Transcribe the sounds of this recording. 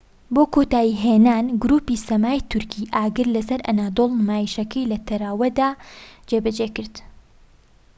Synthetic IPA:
boːkot̪aːjiɦeːnaːnɡʊɾuːpiːsɐmaːjt̪ʰʊɾkʰiʔaːɡɨɾlɐsɐɾʔɐ̰naːd̪oːlˠmaːjiʃɐkʰɐjlɐt̪ʰɐɾaːwɐd̪aːd͡ʒebɐd͡ʒekɨɾd̪̥

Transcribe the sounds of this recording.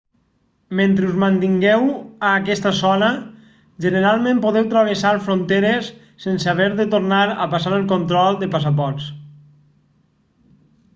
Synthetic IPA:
ment̪ɾeuzmant̪iŋɡɛwaːkɛst̪əsɔnə | ʒənəɾalˠmẽmpoðɛwt̪ɾaβ̞esaɾfɾont̪eɾesː | ensaβɛɾðət̪oɾnaɾə̰pasaɾəlˠkont̪ɾɔlˠd̪əpas̬ap̬ɔɾs

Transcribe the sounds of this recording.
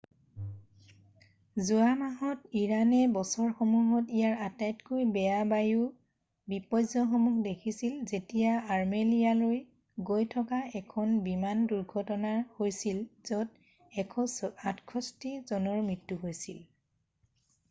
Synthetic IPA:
zuamaɦɔtiɹanɛbɔsɔɹxomuɦɔtijaɹatajtkojbɛjabaju | bipɔjzɔxɔmuxdekʰisilzetijaaɹmelijaloj | ɡojtʰɔkaɛkʰɔnbimanduɹɡʱɔtɔnaɹhojsilzɔt | ɛkʰɔsatkʰɔstizɔnɔɹmɹitːuɦojsil

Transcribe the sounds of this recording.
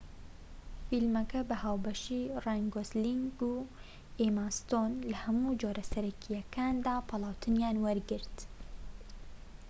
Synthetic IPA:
filmɐkɐbɐhaːwbɐʃiːrajŋɡosliŋɡu | eːmast̪oːnlɐhɐmuːd͡ʒoːɾʔɐsɐɾɛkʰijɛkʰaːnd̪aːpʰɑlˠaːwt̪ʰɨnjaːnwɐɾɡɨɾt̪

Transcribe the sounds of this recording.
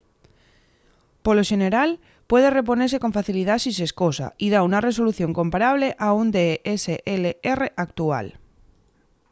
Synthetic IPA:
poloʃe̞ne̞ɾal | pwe̞ð̞ere̞p̬o̞neɾseko̞ɱfaθilið̞asiseskosa̰iðaunare̞s̬o̞luθjo̞ŋko̞mpaɾaβleʔaund̪eeseʔeleereʔak̚t̪ua̰l

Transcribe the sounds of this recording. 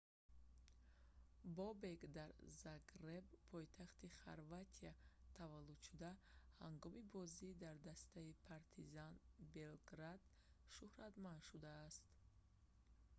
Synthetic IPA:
bɔbeɡd̪aɾzaɡɾebpʰɔjt̪ʰaχt̪iχa̰ɾvat̪ʰiat̪ʰavalːud̪ʃud̪ahaŋɡɔmibɔzid̪aɾd̪ast̪ʰaipʰaɾt̪ʰizanbe̞lɡɾad̪ | ʃuhɾat̪mand̪ʃud̪aːst̪

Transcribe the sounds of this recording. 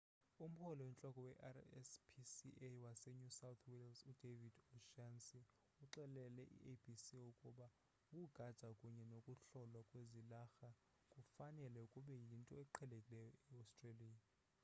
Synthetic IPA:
um̩pʰɔlɔwɛnt͡ɬʼɔkʼɔwɛʔarɛ̰spʰisiʔewasɛɲusawt̪ʰwilzud̥evid̥ɔʃansi | uǁɛlɛlɛʔḭʔebʱisiukʼuɓa | kʼuɡ̥ʱad̥ʒ̥ʱakʼuɲɛnokʼuɬɔlwakʼwezilaxa | kʼufanɛlɛukʼuɓɛjintʼɔɛǃʰɛlekʼilɛjɔɛastʼreliːja

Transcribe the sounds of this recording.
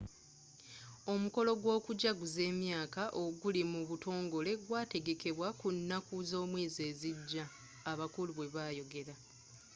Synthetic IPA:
o̞muko̞lo̞ɡwo̞ːkuɟaɡuze̞ːmjaːkaʔo̞ɡulimuβuto̞ːŋɡo̞le̞ɡwaːte̞ɡe̞ke̞βwakunːakuzo̞ːmwiːze̞ːziɟːaː | βakuluβwe̞βaːjo̞ɡe̞ɾa

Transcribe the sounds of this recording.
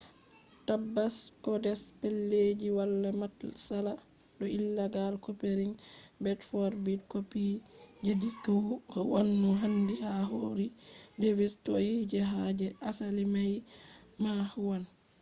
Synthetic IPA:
tabːaskɔdɛspelːed͡ʒiwalːamatsala | ɗɔilːaɡalkopeɾiŋbɛtfɔɾbidkopid͡ʒediskawuhɔwanːuɦandihaɦoːɾidevistɔjid͡ʒɛɦad͡ʒɛʔasalimajmahwan

